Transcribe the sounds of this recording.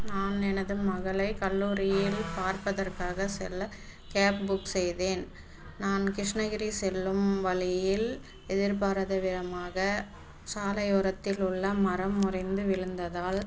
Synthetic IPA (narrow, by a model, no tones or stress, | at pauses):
naːnɛnɐðɯmɐɣɐɭɐɪkɐlːuːɾɪjɪlpaːɾpɐðɐrkaːɣɐsɪ̰lɐ | kaːpbʊksɛjðeːn | naːnkɾɪʂnɐɣɪɾisɛlːɯmʋɐɭɪjɪl | ɛðɪɾp̬aːɾɐðɐʋɪðɐmaːɣɐ | saːlɐjɔɾɐt̪ːɪlʊɭːɐmɐɾɐmːʊrɐɪnd̪ɯʋɪɻɯnd̪ɐðaːl